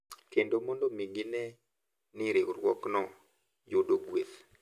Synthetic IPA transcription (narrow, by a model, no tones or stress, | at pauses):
kendomɔndomiŋɡinɛ | nɪɾeɾwɔknɔ | jodoɡwet̪